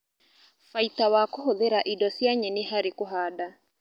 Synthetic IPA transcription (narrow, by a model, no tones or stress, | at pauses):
faitawakoɦoðeɾaʔidɔsjaɲɛneɦaɾekoɦaːda